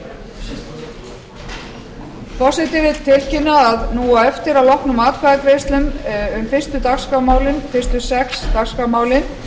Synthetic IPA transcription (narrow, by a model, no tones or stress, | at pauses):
pɔsɪt̪ɪvɪt̪l̥t̪ʰɪlcɪnːaːðnuːaɛft̪ɪɾawlɔhknʏmaːt̪kʰvaɣat̪vejst̪lʏmʏmfɪr̥st̪ʏt̪akskamaːwlɪnfɪrst̪ʏsɛkst̪akskamaːwlɪn